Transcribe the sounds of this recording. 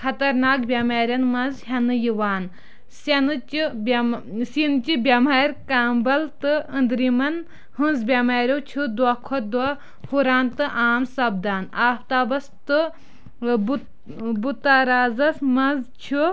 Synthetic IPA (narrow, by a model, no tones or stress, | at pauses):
kʰɐt̪ɐɾnaːkbʲjɐmaːɾʲɐnmɐnzɦʲɐnɨjiʋaːn | sɐnɨt͡ʃibsint͡ʃibʲɐmɐɾʲkaːmbɐlt̪ɨə̃nd̪ɾimɐn | hɨ̃nzbʲjɐmaːɾʲjoːt͡ʃʰud̪wɐkʰɔd̪wɐ | huɾaːnt̪ɨʔaːmsɐb̚d̪aːnaːft̪aːbɐst̪ɨ | b | but̪aɾaːzɐsmɐnzt͡ʃʰu